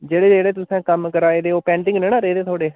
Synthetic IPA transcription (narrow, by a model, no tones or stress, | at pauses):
d͡ʒeːɽeːd͡ʒeːɽeːt̪ʊsɛ̃ːkəmkəɾaːeːd̪eːoːpɛ̃ːɳʈɪ̃ŋɡnẽːnãːɾeːd̪eːt̪ʰoːɽeː